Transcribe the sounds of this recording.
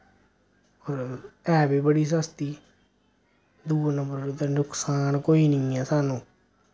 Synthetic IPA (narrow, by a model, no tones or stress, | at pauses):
oːɾɛːbiːbəɽiːs̬əst̪iː | d̪uːnəmbəɾt̪anʊkʰsaːnkoːiːnɪ̃ːɛːsaːnũː